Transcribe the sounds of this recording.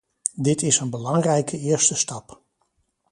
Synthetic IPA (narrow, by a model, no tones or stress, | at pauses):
dɪtɪsənbəlɑŋrɛjkʰəɪːɹstəstɑp